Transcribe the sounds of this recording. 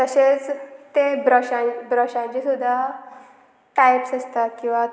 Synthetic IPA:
t̪əset͡st̪ebɾəɕãbɾəɕãnt͡ɕesud̪ʱːa | ʈajpsəst̪akĩw̃ʋa

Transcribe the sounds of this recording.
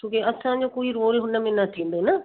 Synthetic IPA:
t̪ʰũːkeɐsãd͡ʑoːkoːiɾoːɾɦʊnəmẽnat̪ʰĩːnd̪onɐ

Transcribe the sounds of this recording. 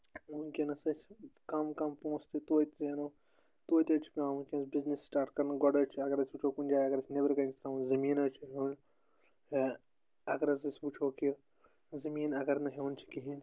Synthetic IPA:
unkenɐsɐt͡ʃʰkɐmkɐmpõːst̪it̪oːit̪enɐ | t̪oːit̪ʲɐt͡ʃʰpʲãːunkʲenɐsbiznisːʈaːɾʈkɐɾnɡɔɖɐt͡ʃʰɐɡɐɾɐsʲbut͡ʃʰoːkunʲd͡ʒaːjɐɡɐɾɐsʲnebɐɾkɐnʲsɾãunzɐmiːnɐt͡ʃʰiɦoːn | ɐɡɐɾɐsɐsʲbut͡ʃʰoːki | zɐmiːnɐɡɐɾnɐɦeːnt͡ʃʰi̥kiɦin

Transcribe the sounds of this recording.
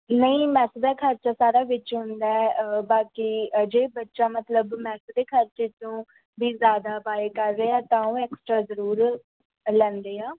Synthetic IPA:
nəĩːmɛːsəd̪aːkʰəɾt͡ʃaːsaːɾaːʋɪt͡ʃɦʊ̃nd̪aːɛbaːkiːd͡ʒeːbətːʃaːmət̪ləbmɛːsd̪eːkʰəɾt͡ʃeːt͡ʃõː | biːzjaːd̪aːbaːeːkəɾːeːɛːt̪ãːõːɛːksʈɾaːzəɾuːɾ | lɛ̃ːnd̪eːãː

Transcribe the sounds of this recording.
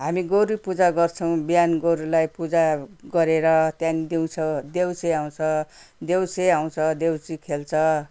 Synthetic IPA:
ɦamiɡoɾupud͡zaɡʌrt͡sʰʌw̃bijanɡoɾulajpud͡zaɡʌɾeɾʌt̪janid̪iw̃t͡sʰʌd̪ewseaw̃t͡sʰʌ | d̪ewseaw̃t͡sʰʌd̪ewt͡sikʰelt͡sʰʌ

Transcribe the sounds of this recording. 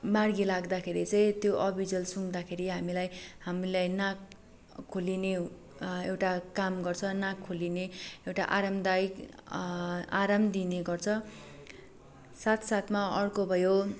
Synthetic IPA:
marɡilaɡd̪akʰeɾit͡sʌĩt̪joʔʌbʱid͡zʌlsuŋd̪akʰeɾiɦamilajhamilajnakʰː | oline | ewʈakamɡʌrt͡sʰʌnakʰːolineewʈaʔaɾamd̪ajk | aɾamd̪ineɡʌrt͡sʰʌ | sat̪ʰsat̪ʰmaʌrkobʱʌjo

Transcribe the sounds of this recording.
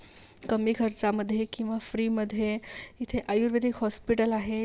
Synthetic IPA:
kəmikʰəɾt͡saməd̪ʱːjekĩw̃ʋafɾiːməd̪ʱːjeit̪ʰeʔajuɾʋed̪ikɦɔspiʈəlaɦe

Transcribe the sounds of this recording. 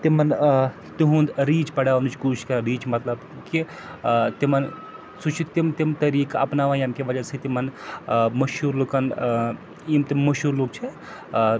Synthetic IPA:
t̪imɐn | t̪iɦũnd̪ɾiːt͡ʃpɐɽaːnut͡ʃʰkuːʃkɐɾɐɾiːt͡ʃmɐt̪lɐb | ki | t̪imɐn | sut͡ʃʰit̪imt̪imt̪ɐɾiːkɐ̰pnaʋajɐmkeʋɐd͡ʒɐsʰɐt̪imɐnmɐʃuːɾluːkɐn | imt̪imɐʃuːɾluːk̚t͡ʃʰe

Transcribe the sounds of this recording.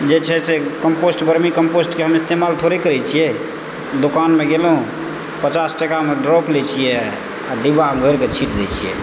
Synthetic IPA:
d͡ʒet͡ʃʰɛsekəmposʈbəɾmikəmposʈkeɦəmist̪emalt̪ʰoɾekəɾɛt͡ʃʰijɛ | d̪okanmeɡelɦũ | pət͡ʃasʈəkameɖɾɔplɛt͡ʃʰijɛ | ad̪ibaɦəmɡʱəɾket͡ʃʰiʈd̪ɛt͡ʃʰijɛ̰

